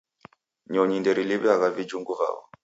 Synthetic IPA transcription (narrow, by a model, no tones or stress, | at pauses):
ɲɔɲindɛɾiliβɛaɣavid͡ʒuŋɡuva̰βɔ̰